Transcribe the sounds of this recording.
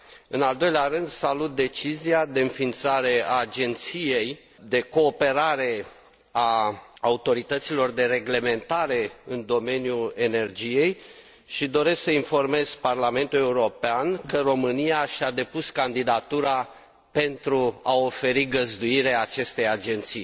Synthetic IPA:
ɨnald̪o̞jleaɾɨnd̪salut̪̚d̪e̞t͡ʃiziad̪e̞ɨnfint̪saɾe̞aːd͡ʒe̞nt̪sije̞j | d̪e̞ko̞ːpe̞ɾaɾe̞ | aːut̪o̞ɾit̪ət̪silo̞rd̪e̞re̞ɡle̞me̞nt̪aɾe̞ɨnd̪o̞me̞njue̞ne̞rd͡ʒije̞j | ʃid̪o̞ɾe̞sksəinfo̞rme̞z̥parlame̞nt̪ule̞uɾo̞peankəro̞mɨnijaʃad̪e̞puskand̪id̪at̪uɾa | pe̞nt̪ɾuao̞fe̞ɾiɡəzd̪uiɾeat͡ʃe̞st̪e̞jad͡ʒe̞nt̪sij

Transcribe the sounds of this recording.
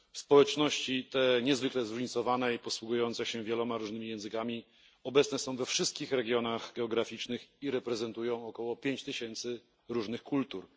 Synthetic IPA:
fspɔwɛt͡ʂnɔɕt͡ɕit̪ɛɲɛzvɘklɛzɾuʐɲit̪sɔvanɛipɔswuɡujɔnt̪sɛɕɛvʲjɛlɔmaɾuʐnɘmʲijɛ̃w̃zɘkamʲi | ɔbɛt̪snɛsɔ̃w̃vɛfʂɘst̪kʲixɾɛɡʲjɔnaɣɡɛɔɡɾafʲit͡ʂnɘxiɾɛpɾɛzɛnt̪ujɔ̃w̃ɔkɔwɔpʲjeɲt͡ɕt̪ɘɕɛnt̪sɘ | ɾuʐnɘxkult̪uɾ

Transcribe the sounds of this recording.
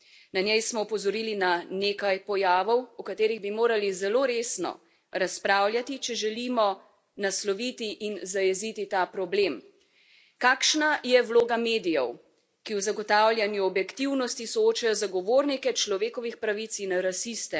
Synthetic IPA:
nanjɛjsmɔupɔzɔɾiːlinaneːkajpɔjaːʋɔwukat̪eːɾiɣbimoːɾalizɛloɾeːsnɔ̰ | ɾaspɾaːwljat̪it͡ʃɛʒɛlimɔ | naslɔʋit̪iʔinzajɛzit̪it̪apɾɔbleːm | kaːkʃnajɛwloːɡameːd̪ijɔ̰w | kiwzaɡɔt̪awlʲjanjuɔbjɛkt̪iwnɔst̪isɔot͡ʃajɔzaɡɔʋoːɾnikɛt͡ʃlɔʋeːkɔʋixpɾaʋit̪sinɾasist̪ɛ

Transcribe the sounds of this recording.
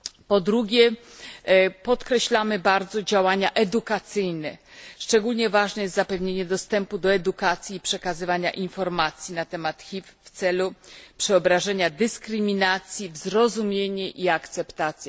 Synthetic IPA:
pɔd̪ɾuɡʲɛ | pɔt̪kɾɛɕlamɘbaɾd̪zɔd͡ʑawaɲaʔɛd̪ukat̪sɘjnɛʂt͡ʂɛɡulɲɛvaʐnɛjɛst̪zapɛvɲeɲɛd̪ɔst̪ɛmpud̪ɔɛd̪ukat̪sʲjiːpʂɛkazɘvaɲa̰ʔinfɔɾmat̪sʲjinat̪ɛmat̪xʲifft̪sɛlupʂɛɔbɾaʐɛɲad̪ɘskɾɘmʲinat̪sʲjivzɾɔzumʲjeɲɛʔiakt̪sɛpt̪at̪sʲjɛ

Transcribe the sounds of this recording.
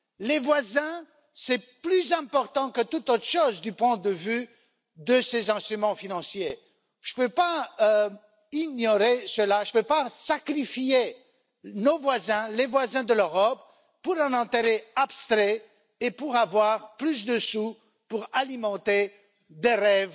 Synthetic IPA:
levwazɛ̃ | sɛplyzɛ̃pɔʁt̪ɑ̃kət̪ut̪ot̪χəʃozd̪ypwɛ̃d̪əvy | d̪əsezɛ̃st̪χymɑ̃finɑ̃sje | ʒ̥əpøpa | iɲɔʁesəlaʒəpøpasakχifie | novwazɛ̃levwazɛ̃d̪əløʁɔpː | uʁɛ̃nɑ̃t̪eʁeabst̪χɛ | epuʁavwaʁplys̬d̪əsu | puʁalimɑ̃t̪e | d̪eʁɛv

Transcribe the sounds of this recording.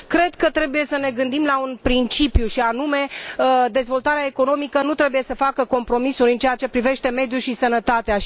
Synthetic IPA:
kɾe̞d̪kət̪ɾe̞buje̞səne̞ɡɨnd̪imlaunpɾint͡ʃipjuʃianume̞əd̪e̞zvo̞lt̪aɾeaeko̞no̞mikənut̪ɾe̞buje̞səfakəko̞mpɾo̞misuɾʲɨnt͡ʃejat͡ʃe̞pɾive̞ʃt̪e̞me̞d̪juʃisənət̪at̪ea

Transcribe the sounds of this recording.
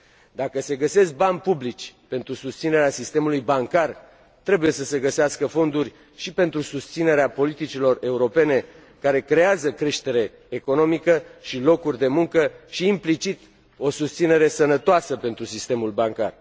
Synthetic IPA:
d̪akəse̞ɡəse̞sk̚banʲpublit͡ʃʲpe̞nt̪ɾusust̪sine̞ɾeasist̪emulujbaŋkar | t̪ɾe̞buje̞səse̞ɡəseaskəfo̞nd̪urʲ | ʃipe̞nt̪ɾusust̪sine̞ɾeapo̞lit̪it͡ʃilo̞re̞uɾo̞pe̞ne̞ | kaɾe̞kɾe̞azəkɾe̞ʃt̪e̞ɾe̞ː | ko̞no̞mikəʃilo̞kurʲd̪e̞muŋkəʃiːmplit͡ʃit̪ | o̞sust̪sine̞ɾe̞sənət̪oasəpe̞nt̪ɾusist̪e̞mulbaŋka̰r

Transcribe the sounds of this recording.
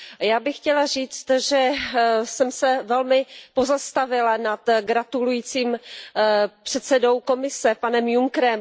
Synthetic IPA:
jaːbɪxxcɛlariːt͡st̪ʒɛsɛmsɛvɛlmɪpo̞zast̪avɪlanat̪ɡɾat̪ulujiːt͡siːm | pr̝̥ɛt̪sɛdo̞wko̞mɪsɛpanɛmjuŋkɾɛm

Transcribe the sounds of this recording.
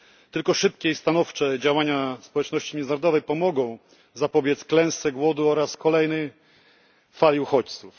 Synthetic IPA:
t̪ɘlkɔʂɘp̚kʲɛist̪anɔft͡ʂɛd͡ʑawaɲaspɔwɛt͡ʂnɔɕt͡ɕimʲjɛnnɾɔd̪ɔvɛjpɔmɔɡɔ̃w̃ | zapɔbʲjɛt̪sklɛw̃st̪ːɛɡwɔd̪uɔɾaskɔlɛjnɛj | falʲiuxɔt͡ɕt̪suf

